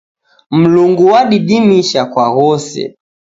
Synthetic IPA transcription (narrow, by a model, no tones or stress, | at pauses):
m̩luŋɡuwaɗiɗimiʃakwaɣɔsɛ̰